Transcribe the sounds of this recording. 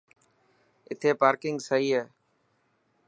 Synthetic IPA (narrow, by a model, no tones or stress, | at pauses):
ɪt̪ʰeːpaːɾkɪŋɡsəɦiːɦeː